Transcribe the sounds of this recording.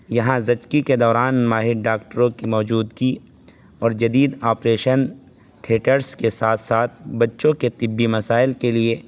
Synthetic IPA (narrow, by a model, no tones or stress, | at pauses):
jɐɦãzɐt͡ʃkiked̪ɔːɾaːnmaːɦɪɾɖaːkʈəɾõkimɔːd͡ʒuːd̪ki | ɔːɾd͡ʒɐd̪iːd̪aːpɾeːʃən | ʈʰeːʈəɾskesaːt̪ʰsaːt̪̚ʰbɐtːʃõket̪ɪbːimɐsaːɪlkelie